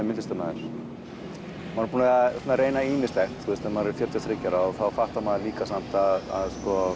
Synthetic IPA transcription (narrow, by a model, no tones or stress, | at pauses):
mɪɪst̪œpnaðɪɾ̥ | manpuːnaɔnaɾeːjnaiːmɪst̪ɛxt̪θust̪ɛmaɾɪɾfjœɾt̪ʰjasθɾɪcaɾaɔɣθawfaht̪amaðliːkasam̥t̪aða̰ðskɔ